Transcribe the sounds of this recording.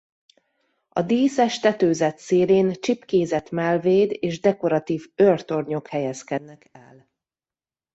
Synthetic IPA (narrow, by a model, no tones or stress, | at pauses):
ɒ̰d̪iːsɛʃt̪ɛt̪øːzɛt̪seːleːnt͡ʃipkeːzɛt̪mɛlveːd̪eːʒd̪ɛko̞ɾɒt̪iːvørt̪o̞rɲo̞khɛjɛskɛd̪nɛkɛ̰l